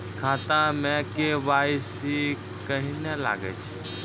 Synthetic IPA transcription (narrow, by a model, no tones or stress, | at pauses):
kʰaːt̪ãmɛ̃keʋaːisi | kəɦinela̰ːɡɛ̰t͡ʃʰ